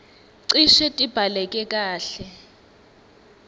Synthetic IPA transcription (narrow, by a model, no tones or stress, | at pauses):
ǀiʃɛtʼib̥ʱalɛk̬ʼɛk̬ʼaːɬɛ